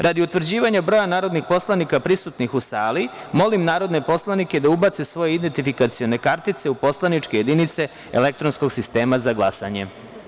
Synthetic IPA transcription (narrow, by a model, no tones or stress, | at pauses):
ɾʔad̪iut̪ʋr̩d͡ʑiːʋaɲabɾo̞janaːɾo̞d̪nixpo̞slˠanikapɾisut̪nixusaːli | mo̞limnaːɾo̞d̪ne̞po̞slˠanike̞d̪aubat̪sesʋo̞jeid̪ent̪ifikat̪sio̞ne̞kaɾt̪it̪se̞upo̞slˠanit͡ʃke̞je̞d̪init̪se̞ | ḛle̞k̚t̪ɾo̞nsko̞ɡsist̪e̞ːmazaɡlˠasa̰ɲe̞̰